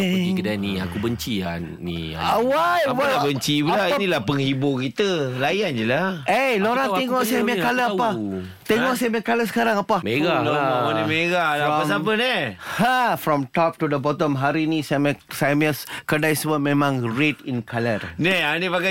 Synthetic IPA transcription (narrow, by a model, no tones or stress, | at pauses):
ikədania̰kubəɲt͡ʃia̰n | nḭ | awajwaabəɲt͡ʃibəlainilapəŋhibokit̪əlajand͡ʒəlaeloɾat̪eŋɔʔsamakaləapa | t̪eŋɔʔsamakaləsə̥kaɾãŋapameɡaloimeɡaasapənɛhafɾɔ̃mtɔp̚tudəbɔt̪ɔmɦaɾinisamsamiəskədajsəbat̚mẽmãŋɹetinkʰalərnɛanepaka